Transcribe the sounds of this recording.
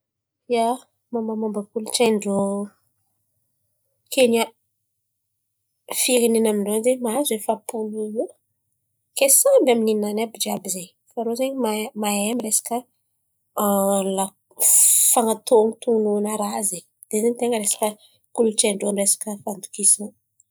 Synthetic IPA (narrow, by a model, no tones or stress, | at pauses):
ja | mamamambəkulut͡ʃaɳɖ͡ʐo | kʰeɲa | fiɾininamiɳɖ͡ʐonzemaazefapununu | kesambaminininanabid͡ʒabizeɲ | faɾozeɲimamaemiɾesḁkə | nla | faŋat̪ont̪unuanəɾaze | d̪̥ezenit̪eŋɡəɾesḁkə | kuluʈ͡ʂaɳɖ͡ʐonresḁkəfand̪u̥kisin